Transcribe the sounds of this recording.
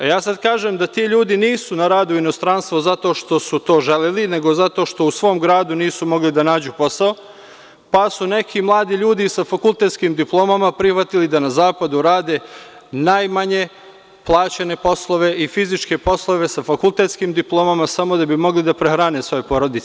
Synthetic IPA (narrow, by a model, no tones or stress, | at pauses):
jaːsad̪̚kaːʒemd̪at̪iːʎuːd̪iniːsunaɾaːd̪uino̞st̪ɾanst̪ʋozat̪o̞ːʃt̪o̞sut̪o̞ːʒeleline̞ɡo̞zat̪o̞ʃt̪ousʋo̞ːmɡɾaːd̪uniːsumo̞ɡlid̪anaːd͡ʑupo̞sao | pasune̞kʰimlˠaːd̪iʎuːd̪isafakulˠt̪et̪skiːmd̪iplˠo̞ːmamapɾixʋat̪ilid̪anazaːpad̪uɾaːd̪e̞ | najmaɲe̞ | plˠaːt͡ɕene̞po̞slˠo̞ʋe̞ʔifizit͡ʃke̞po̞slˠo̞ʋe̞safakulˠt̪eːt̪skiːmd̪iplˠo̞ːmamasamo̞d̪abimo̞ɡlid̪apɾexɾaːne̞sʋo̞jepo̞ɾo̞d̪it̪se